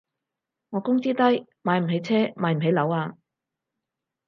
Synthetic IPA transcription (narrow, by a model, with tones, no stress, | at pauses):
ŋɔː˨˧kʊ˥ŋt͡siː˥t̪ɐ˥jmaː˨˧jm̩˨˩ɦe˨˧˥jt͡sʰɛː˥maː˨˧jm̩˨˩ɦe˨˧jlɐ˨˧˥waː˧